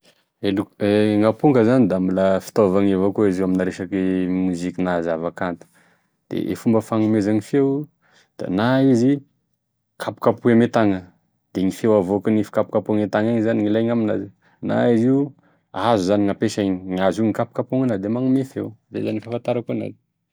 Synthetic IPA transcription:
elueŋapuŋɡəzanid̪aambilafi̥t̪ovaŋevakoiziwaminaɾeʃakimuzikʲinazavakant̪u̥ | d̪̥ḛʔḛfumbəfaŋumezaŋifew | d̪̥a̰naizi | kʰapu̥kapuemet̪aŋə | d̪̥eŋifewavokinifi̥kapu̥kapuaŋet̪aŋaɲzaniŋilajŋamina̰zi | na̰izi | azuzaniŋapeʃaiɲiŋaziŋikapu̥kapuŋanad̪emaŋumefewd̪ḛzanifafant̪aɾakona̰zi̥

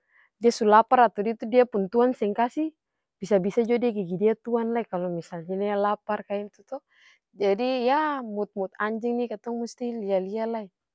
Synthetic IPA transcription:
diasulapaɾat̪udit̪udiapunt̪uansɛŋkasi | b̥isabisad͡ʒɔdiaɡiɡidiat̪uanlaikalɔmisalɲɛnialaparkaint̪ut̪ɔ | d͡ʒadijamut̪̚mut̪̚aɲd͡ʒiŋnikat̪ɔŋmust̪ilialialai

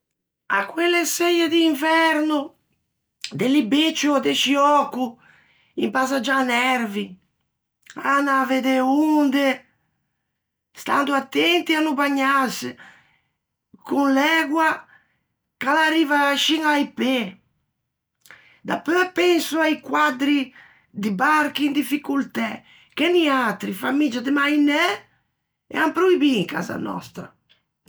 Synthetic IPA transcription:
a̰kːwelːesɛjed̪iːɱvɛɾnu | d̪elibet͡ʃːoad̪eʃiɔkːu | impasad͡ʒanɛɾvi | anaved̪eund̪e | st̪a̰nd̪uat̪ːɛnt̪ianubaɲːas | kunlɛɡwa | kalariːvaʃiŋajpe | d̪apɛpɛnsuajkwad̪ɾi | d̪ibaɾkind̪ifikult̪ɛ | kɛniat̪ɾifamid͡ʒad̪ɪmajnɛ | ɛ̰ampɾoibiːŋka̰ːza̰nɔ̰st̪ɾa̰

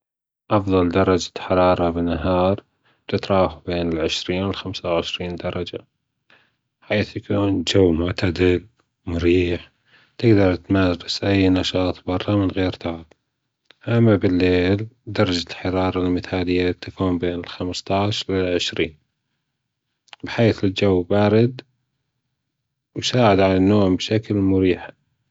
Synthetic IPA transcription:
ʔɑfðˤɑld̪ɑɾˤɑd͡ʒḁħɑɾˤɑːɾˤɑbɪnːaɦɑːɾˤ | t̪ɪt̪ɾˤɑːxubeːnɪlʕɪʃɾiːnwɪlxamsawʕɪʃɾiːnd̪ɑɾˤɑd͡ʒa | ħiːθjakuːnd͡ʒawːmʊʕt̪ad̪ɪl | mʊɾiːħ | t̪ɪɡd̪ɑɾˤt̪maɪsʔajːnɑʃɑːt̪ˤbɑɾˤːɑmɪnɣeːɾt̪aʕɪb | ʔamːabɪlːeːld̪ɑɾˤɑd͡ʒalħɑɾɑːɾˤɑlmɪθaːlɪjːat̪afuːmbeːnɪlxamst̪ˤɑʕʃlɪlʕɪʃɾiːn | bħeːθɪld͡ʒawːbaːɾɪd̪ | wsaːʕɪd̪ʕanɪnːoːmbʃaklmʊɾiːħḁ

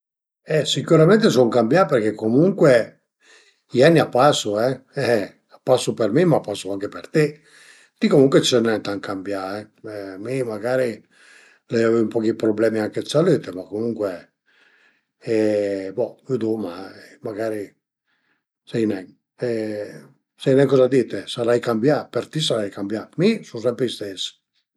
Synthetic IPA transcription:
ɛsikuɾamɛnt̪esoŋkambjaperk̟ekːomuŋkwe | ianːiapːasuɛɛ | apːasːupermimapːasːʊaŋk̟epert̪e | t̪ikomuŋkwet͡ʃɛnɛt̪aŋkambjaɛɛmimaɡaːɾi | lɛjavɛvumpɔkipɾoblɛːmiaŋkesaliːt̪emakomuŋkwe | ɛbɔud̪umaɛmaɡaːɾi | sɛjnɛŋ | ɛ | sɛjnɛŋkɔzad̪it̪esaɾajkambjapert̪is̬aɾajkambjamisus̬ɛmpɾeist̪es

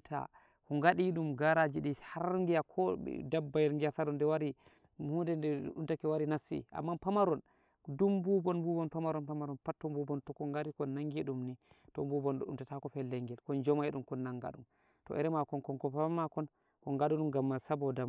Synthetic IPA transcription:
tʰa̰ | kɔŋɡaɗiɗumɡaɾad͡ʒiɗihaɾŋɡijakʰɔ̰dabːajɛlŋɡiataɾɔndɛwaɾi | hundɛndɛɗumtakɛwaɾinasḭʔa̰mːapamaɾɔn | dumbubɔnbubɔnpamaɾɔnpamaɾɔnpatːɔmbubɔntɔkɔŋɡaɾikɔnːaŋɡiɗumni | tɔ̰mbubɔnɗɔɗṵmtatakɔfɛlːɛŋɡɛlkɔnd͡ʒɔmaiɗumkɔnːaŋɡa̰ɗum | tɔ̰ʔɛɾɛmakɔnkɔnkɔpamakɔn | kɔŋɡaɗuɗumɡamːasabɔdam

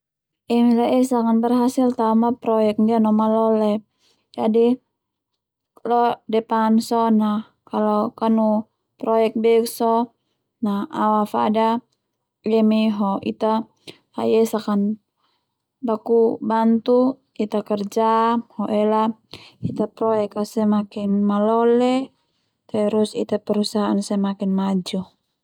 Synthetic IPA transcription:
ɛmilaɛsakanbərɦasilt̪amapɾɔjɛk̚dianɔmalɔlɛ | d͡ʒadi | kalɔdɛpansɔna | kalokanu | pɾɔjɛk̚bɛksɔ | nahawafa̰da | jɛmiɦɔḭt̪a | ajɛsakan | bakubant̪u | it̪akɛrd͡ʒahɔʔɛlait̪apɾɔjɛkasɛmakinmalɔlɛ | t̪ɛɾusḭt̪apɛɾusaɦaːnsɛmakinmad͡ʒu

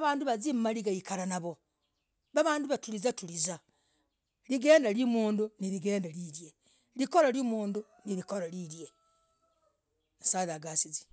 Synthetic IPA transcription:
aβaːnduβazimmaliɡaikaɾanaβo | βaβaːnduβatuɾizatuɾiza | liɡe̞ːndalimuːnduniɾiɡe̞ːndaɾiɾje | likoɾalimuːndu | niɾikoɾaɾiɾje | nsaðaɡasizi̥

